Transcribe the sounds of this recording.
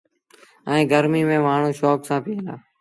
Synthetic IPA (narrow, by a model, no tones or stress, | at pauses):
ɛ̃ːɡəɾmiːmẽːmaːɳ̤ũːʃɔːksãːpiːlaː